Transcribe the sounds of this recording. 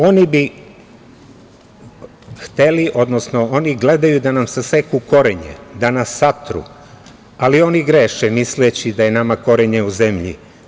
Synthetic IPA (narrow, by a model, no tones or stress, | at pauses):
o̞nibi | xt̪e̞liʔo̞d̪nosnooniɡle̞d̪ajud̪anamsase̞kuko̞ɾeɲḛd̪anasːat̪ɾṵ | alio̞niɡɾeːʃemislet͡ɕid̪aje̞namako̞ɾeɲeuzemʎḭ